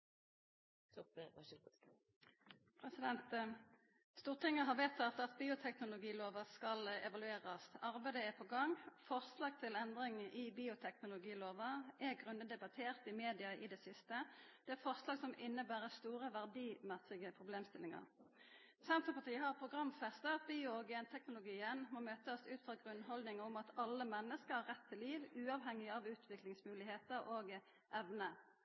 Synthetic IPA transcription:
pʰʁɛsɪd̪ɛnt̪ | st̪uːʁt̪ʰɪŋːəɦɑʋet̪ʰɑt̪ɑt̪biːʊt̪ʰɛknʊlʊɡiːloːʋəskɑlɛ̰ʋɑlʉeːʁɑsɑʁbæɪd̪əɛpʰɔɡɑŋfɔʁslɑːɡt̪ʰɪlɛnd̪ʁɪŋʔɪbiːʊt̪ʰɛknʊlʊɡiːloːʋəʔɛɡʁʉnːəd̪ɛbɑt̪ʰeːʁt̪ɪmeːd̪ɪɑʔɪd̪ɛsɪst̪əd̪̥ɛæfɔʁslɑːɡsɔmɪnːəbæːʁəst̪uːɾəʋæʁd̪iːmæsɪɡəpʰʁʊbleːmst̪ɪlɪŋɑ̰ʁ | sɛnt̪əpɑt̪ʰiːhɑʁpʰʁʊɡʁɑmfɛst̪əbiːʊɔɡɛnt̪ʰɛknʊlʊɡiːənmɔmøːt̪əsʉːt̪fʁɑɡʁʉnːɦɔld̪nɪŋəʊmɑt̪ɑlːəmɛnːəskəhɑʁːɛt̪ʰːɪliːʋʉːɑʋɦɛŋːɪɑʋʉːt̪ʰʋɪklɪŋsmʉːlɪheːt̪əʁoːɡ | ʔɛʋnə

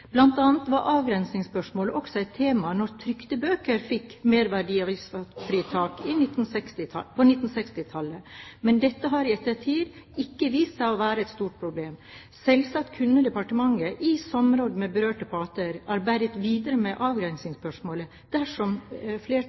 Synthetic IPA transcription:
b̥lɑnt̪ɑːnət̪ʋɑɾʔɑːʋɡɾɛnsnɪŋspœʂmoːləʔɔksɔɛɪt̪ʰːeːmɑnɔɾt̪ʰɾʏkt̪əbøːkəɾfɪkːmeːɾʋæɖiːɑʋɪsɑfɾiːt̪ʰɑːkɪnɪt̪ːn̩sɛkst̪ɪɑpʰɔnɪt̪ːn̩sɛkst̪ɪt̪ʰɑlːəmɛnd̪ɛt̪ːəɦɑɾɪɛt̪ːət̪ʰiːd̪ɪkːəʋiːst̪sæɪɔʋæːɾəɛt̪st̪uːʈ̚pʰɾʊbleːm | sɛlsɑt̪kʰʉnːəd̪ɛpɑʈəmɑŋːəʔɪsɔmɾoːd̪əmɛbəɾøːʈəpʰɑːt̪əɾæɾbæɾət̪ʋiːd̪əɾəmɛʔɑːʋɡɾɛnsnɪŋspœʂmoːlə | d̪̥æʂɔmfleː

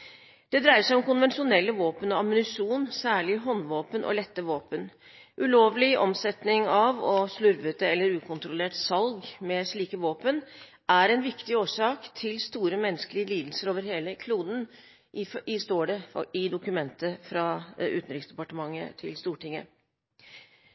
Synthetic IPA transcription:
d̪̥ɛd̪ɾæɪəʂæɪɔmkʊnʋɛnʂʊnɛlːəʋoːpənɔɑmːʏnʏʂuːnsæːɭɪɦɔnːʋoːpənʔɔ̰lɛt̪ːəʋoːpən | ʔʉloːʋlɪʔɔ̰msɛt̪nɪŋɑʋɔʂlʉɾʋət̪əɛlːəɾʉːkʰʊnt̪ɾʊleːʈsɑlɡmɛʂɭiːkəʋoːpən | æɾɛnʋɪkt̪ɪoːʂɑːkt̪ʰɪlst̪uːɾəmɛnːəskəlɪəliːd̪l̩səɾoːʋəɾɦeːləkʰluːd̪n̩ | ɪst̪oːɖɛ̰ɪd̪ʊkʉmɛnt̪əfɾɑʉ̰ːt̪n̩ɾɪksd̪ɛpɑʈəmɑŋːə̰t̪ʰɪ̰lst̪uːʈɪŋːə̰

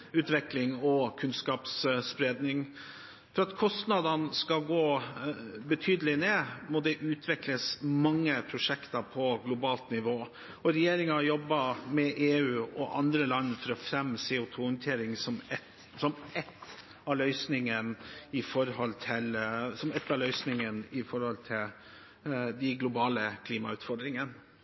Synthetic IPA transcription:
ʉːt̪ʋɛklɪŋɔkʰʉnskɑːpsspɾeːd̪nɪŋ | fɔɾɑt̪kʰɔst̪nɑd̪ɑnskɑɡoː | bət̪ʰyːd̪əlɪneːmɔd̪ɛʔʉːt̪ʰʋɛkləsmɑŋːəpʰɾʊʂɛkt̪ɑpʰɔɡlʊbɑːlt̪nɪʋoː | ɔɾɛjeːɾɪŋɑjɔbːəmɛʔeːʉːɔʔɑ̰nd̪ɾəlɑnːfɔɾɔfɾɛmːseːʊt̪ʰuːnt̪ʰeːɾɪŋsɔmɛt̪ | sɔmɛt̪ː | ɑlœʏsnɪŋənɪfɔɾhɔlt̪ʰɪlsɔmɛt̪ːɑlœʏsnɪŋənɪfɔɾhɔlt̪ʰɪl | d̪ɪɡlʊbɑːləkʰliːmɑʉːt̪fɔɾɖ̪d̪ɾɪŋən

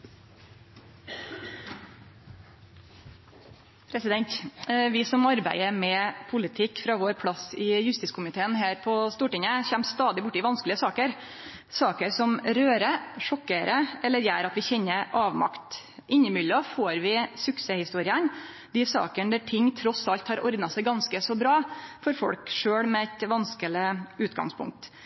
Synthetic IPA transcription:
pʰɾɛsɪd̪ɛnt̪ʋɪsɔmɑɾbæ̰ɪəmɛpʰʊlɪt̪ʰɪkːfɾɑʋoːɾpʰlɑsɪjʉst̪ɪskʰʊmɪt̪ʰeːənɦæːɾpʰɔst̪uːʈɪŋəçɛmst̪ɑːd̪ɪbʊʈːɪʋɑnsklɪəsɑːkəɾ | sɑːkəɾsɔmɾøːɾəʂɔkːəɾəɛlːəɾjæːɾɑt̪ʋɪçɛnːəɾʔɑːʋmɑ̰kt̪ | ʔɪɲːəmʏlːəɔfoːɾʋɪsʉkseːhɪst̪uːɾɪən | d̪ɪsɑ̰ːkəɳd̪æʈʰɪŋːt̪ʰɾɔsɑlt̪hɑɾʔɔɾd̪nɑsæɪɡɑnskəsɔbɾɑːfɔɾfɔ̰ɽkʂøːɽmɛɛt̪ʋɑnskəlɪʉːt̪ɡɑ̰ŋspʰʊ̰ŋk̚t̪

